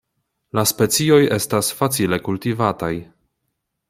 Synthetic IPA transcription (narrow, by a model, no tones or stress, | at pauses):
laspe̞t͡sio̞je̞stasfat͡sile̞kultivataj